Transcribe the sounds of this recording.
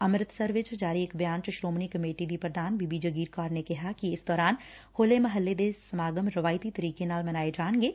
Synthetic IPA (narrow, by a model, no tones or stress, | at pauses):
ɐmɾɪt̪ʰsɐɾʋet͡ʃd͡ʒaːɾieːkbjaːnt͡ʃɐʃɾoːmnikɐmeːʈid̪ipɾɐd̪ʱaːnbiːbid͡ʒɐɡiːɾkaːɾnekɐɦakiɪsd̪ɔːɾaːn | hoːlemɐɦəlːed̪esɐmaːɡəmɾɐʋaːjt̪it̪ɐɾiːkenaːlmɐnaːed͡ʒaːnɡeː